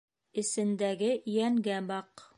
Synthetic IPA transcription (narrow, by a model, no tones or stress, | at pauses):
ɘ̆sɘ̆nd̪æɡɘjæŋɡæbɑq